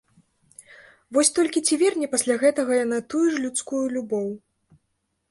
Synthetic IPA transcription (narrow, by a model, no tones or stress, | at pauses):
vɔsʲt̪ɔlʲkʲit͡sʲivʲɛrnʲɛpɐsʲlʲaɣɛt̪ɐɣɐjanat̪ujuʐlʲut̪skujulʲubɔw